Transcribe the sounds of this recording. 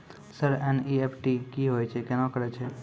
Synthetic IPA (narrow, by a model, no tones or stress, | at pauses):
səɾeniepʰʈikiɦojt͡ʃʰɛkenãkəɾɛt͡ʃʰɛ